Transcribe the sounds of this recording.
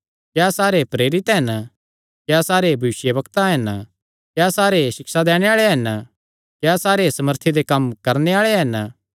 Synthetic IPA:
kjaːsaːɾepɾeːɾɪt̪ɦɐn | kjaːsaːɾebʱɐʋɪsjəbɐkt̪aɦɐn | kjaːsaːɾesɪksad̪ɛːɽ̃eaːɭeɦɐn | kjasaːɾesɐməɾt̪ʰed̪ekɐmkɐɾneaːɭeɦɐn

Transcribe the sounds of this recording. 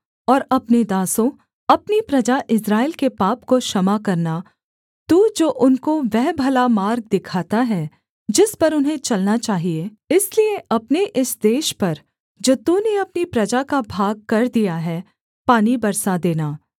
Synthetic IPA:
ɔːɾɐpned̪aːsõ | ɐpnipɾɐd͡ʒaʔɪsɾaːɪlkepaːpkoʃɐmakɐɾna | t̪uːd͡ʒoːʔʊnkoʋɛɦbʱɐlamaːɾɡ̚d̪ɪkʰaːt̪aɦɛː | d͡ʒɪspɐɾʊnɦẽt͡ʃɐlnat͡ʃaːɦie | ɪslieʔɐpneʔɪsd̪eːʃpɐɾ | d͡ʒoːt̪uneɐpnipɾɐd͡ʒakabʱaːɡ̚kɐɾd̪ijaɦɛː | paːnibɐɾsad̪eːnaː

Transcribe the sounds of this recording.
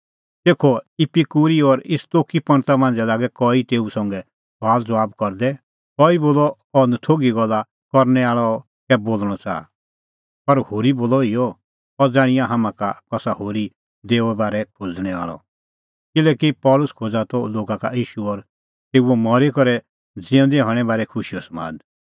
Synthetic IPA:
t̪eːkʰɔɪpikuːɾiɔɾɪst̪oːkipɐ̃ɳt̪amãːn̆d͡zɛlaːɡɛkɔit̪eːusɔ̃ŋɡɛ | b̥ʱaːld͡zɔʋaːbkɔɾd̪ɛ | kɔiboːlɔ | ɔnət̪ʰoːɡiɡɔlːa | kɔɾnɛaːɭɔ | kɛboːlɽ̃ɔt͡sa̰ːa̰ | pɐɾhoːɾiboːlɔijɔ | ɔd͡zaːɽ̃ɪjãɦamãkakɔsahoːɾi | d̪eːuɛbaːɾɛkʰod͡zɽ̃ɛʋa̰ːɭɔ̰ | kɪlɛːkipɔːlʊskʰoːd͡zat̪ɔloːɡakajiːʃuɔɾ | t̪eːuɔmɔɾekɔɾɛ | d͡zɪɛ̃d̪eɦɔ̃ɽ̃ɛbaːɾɛkʰʊʃijɔsma̰ːd̪

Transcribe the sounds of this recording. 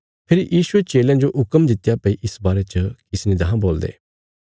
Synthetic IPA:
pʰɪɾijiːsʊet͡ʃeːljãd͡ʒoʔʊkəmd̪ɪt̪ːjapɐiʔɪsbaːɾet͡ʃəkɪsnid̪ɐɦãboːld̪ḛː

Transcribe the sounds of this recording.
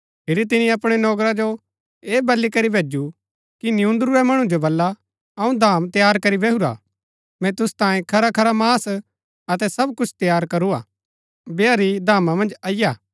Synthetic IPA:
pʰɪɾit̪̬ɪnĩɐpɽ̃ɛnɔːkɾad͡ʒo | eːbɐlːikɐɾibʱeːd͡ʒu | kinɪũnd̪ɾuɛmɐɽ̃ũd͡ʒobɐlːa | ɐũd̪ʱaːmt̪jaːɾkɐɾibeːɦuɾa̰ | mɛ̃t̪ʊst̪ãːĩkʰɐɾakʰɐɾamaːs | ɐt̪̬ɛsɐbkʊt͡ʃʰt̪jaːɾkɐɾua̰ː | beaːɾid̪ʱaːmamɐ̃nd͡ʒɐːɪjaː

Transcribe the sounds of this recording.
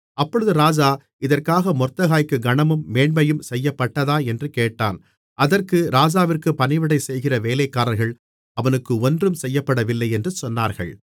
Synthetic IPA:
ɐpːɔɻɯðɯɾaːd͡ʒaː | ɪðɐrkaːɣɐmɔrt̪ːɐɣaːjkːɯɡɐɳɐmɯmːeːɳbɐjɯmsɛjːɐpːɐʈːɐðaːɛndrɯkeːʈːa̰ːn | ʔɐðɐrkɯɾaːd͡ʒaːʋɪrkɯpɐnɪʋɪɽɐɪsɛjɣɪrɐʋeːlɐɪkːaːɾɐlɣɐɭ | ɐʋɐnɯkːɯɔndrɯmsɛjːɐpːɐɽɐʋɪlːɐɪɛndrɯsɔnːaːɾɣɐ̰ɭ

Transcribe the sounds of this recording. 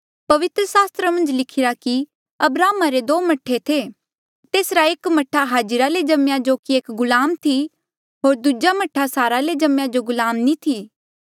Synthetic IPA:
pɐʋɪt̪ɾəsaːst̪ɾamɐ̃nd͡ʒlɪkʰɪɾaki | ɐbɾaːmaɾed̪oːmɐʈʰet̪ʰe | t̪eːsɾaekmɐʈʰaɦaːd͡ʒɪɾaled͡ʒɐmjad͡ʒoːkieːkɡʊlaːmt̪ʰi | ɦoːɾd̪ud͡ʒamɐʈʰːasaːɾaled͡ʒɐmjad͡ʒoɡʊlaːmnit̪ʰiː

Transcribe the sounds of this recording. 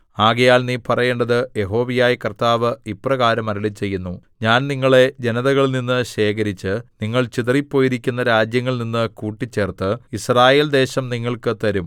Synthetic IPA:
aːɣɐjaːlniːpɐrɐje̞ːɳɖɐðɨje̞ɦo̞ːʋijaːjɐkɐrt̪aːʋɨiprɐɣaːɾɐmɐɾɐlit͡ɕːe̞jːunːu | ɲaːnniŋːɐɭe̞d͡ʑe̞nɐðɐɣɐɭninːɨɕe̞ːkɐɾit͡ɕːɨniŋːɐɭt͡ɕit̪ɐripːo̞ːjiɾikʲːunːɐɾaːd͡ʑjɐŋːɐɭninːɨkuːʈːit͡ɕːe̞ːrt̪ɨisraːje̞ːld̪e̞ːɕɐmniŋːɐɭkɨt̪ɐɾum

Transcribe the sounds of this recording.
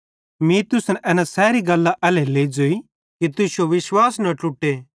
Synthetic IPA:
miːt̪ʊsnʔɛːnasɛːɾiɡɐlːaʔɛleleːid͡ʒoːi | kit̪ʊsoʋɪʃwaːsnɐʈʊʈːe

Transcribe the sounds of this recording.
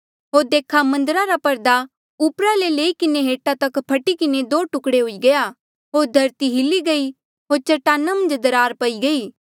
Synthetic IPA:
ɦoːɾd̪eːkʰamɐ̃nd̪ɾaɾapɐɾd̪a | upɾaleleːikɪneɦeːʈat̪ɐkpʰɐʈikɪned̪oːʈʊkɽeɦoiɡɐja | ɦoːɾd̪ʱɐɾt̪iɦɪliɡɐi | ɦoːɾt͡ʃɐʈaːnːamɐ̃nd͡ʒd̪əɾaːɾpɐiɡɐiː

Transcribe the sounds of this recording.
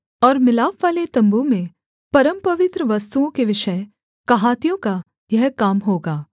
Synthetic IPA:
ɔːɾmɪlaːpʋaːlet̪ɐ̃mbumẽ | pɐɾəmpɐʋɪt̪ɾəʋɐst̪uõkeʋɪʃə | kɐɦaːt̪ijõka | jɐɦkaːmɦoːɡaː

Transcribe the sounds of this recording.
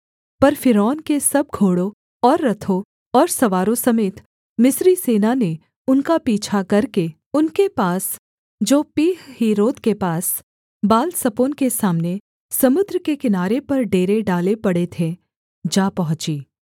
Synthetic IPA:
pɐɾfɪɾɔːnkesɐb̚ɡʱoːɽõ | ɔːɾːɐt̪ʰõ | ɔːɾsɐʋaːɾõsɐmeːt̪ | mɪsɾiseːnane | ʊnkapiːt͡ʃʰakɐɾke | ʊnkepaːs | d͡ʒoːpiːɦhiːɾoːt̪kepaːs | baːlsɐpoːnkesaːmne | sɐmʊd̪ɾəkekɪnaːɾepɐɾɖeːɾeɖaːlepɐɽet̪ʰe | d͡ʒaːpɐɦʊ̃t͡ʃiː

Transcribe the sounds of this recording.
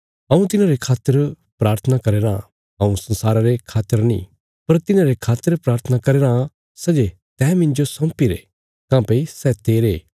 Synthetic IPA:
ɦɐ̃ũt̪ɪnãɾekʰaːt̪əɾ | pɾaːɾt̪ʰənakɐɾeːɾã̰ | ɦɐ̃ũsɐ̃nsaːɾaɾekʰaːt̪əɾnḭ̃ | pɐɾt̪ɪnãɾekʰaːt̪əɾpɾaːɾt̪ʰənakɐɾeːɾã | sɛd͡ʒe | t̪ɛːmɪ̃ɲd͡ʒosɐ̃mpiɾḛ | kãːpeisɛt̪eːɾeː

